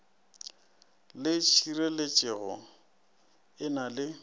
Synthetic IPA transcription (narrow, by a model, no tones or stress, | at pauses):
lɪt͡ʃʰirelet͡ʃʼɪɣɔ̰ | ɪnalɪ